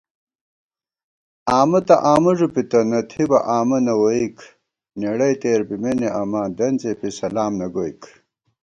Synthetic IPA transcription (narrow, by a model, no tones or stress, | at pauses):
aːmɐt̪ɐʔaːmɐʐupit̪ɐnɐt̪ʰibɐʔaːmɐnɐwoik | neɽɐjt̪eːɾbimeneʔɐmãːd̪ɐnt͡sepisɐlaːmnɐɡoik